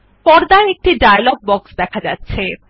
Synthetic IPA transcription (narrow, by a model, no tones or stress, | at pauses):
pɔɾd̪aeek̚ʈiɖajalɔɡ̚bɔksd̪ɛkʰad͡ʑatːɕʰe